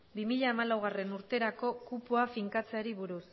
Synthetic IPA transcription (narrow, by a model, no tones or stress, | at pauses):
bimiʎaːmalawɣ̞are̞nuɾt̪e̞ɾako̞kupoafiŋkat͡se̞aɾiβuɾus